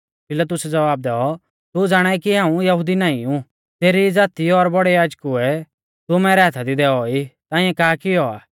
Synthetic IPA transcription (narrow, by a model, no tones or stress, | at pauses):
pɪlɐt̪ʊsɛd͡zɐʋaːb̚d̪ɛːɔ | t̪ud͡zaːɽ̃ɛɛkiɦãːũjɐɦʊd̪inaːĩũ | t̪eːɾid͡zaːt̪iɔɾbɔɽɛjaːd͡ʒkɦʊɛ | t̪ʊmɛːɾɛɦat̪ʰad̪id̪ɛːɔit̪ãːɪ̃ːɛ̃kaːkɪɔa̰ː